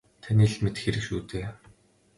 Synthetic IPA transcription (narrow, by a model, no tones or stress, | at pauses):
t̪ʰaniːɮmet̪xeɾɘ̆kʃuːt̪eː